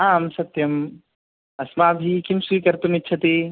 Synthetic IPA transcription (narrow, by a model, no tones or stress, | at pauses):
aːmsɐt̪jɐm | ɐsmaːbʱikimsiːkɐɾt̪umitːʃʰɐt̪eː